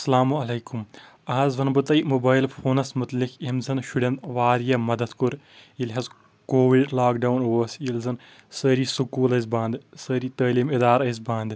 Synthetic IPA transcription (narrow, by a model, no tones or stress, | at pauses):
ɐsɐlaːmuɐleːkum | aːzʋɐnbɐt̪ɐjmubaːjlfoːnɐsmʊt̪likemzɐnʃuɖɐ̃nd̪ʋaːɾjɐmɐd̪ɐd̪kuɾ | ilɦɐz | koːʋiɖlaːk̚ɖawnoʋɐsilzɐn | sɐːɾisukuːlɐizbãːnd̪sɐːɾiːt̪ɐːliːmid̪aːɾɐizbaːnd̪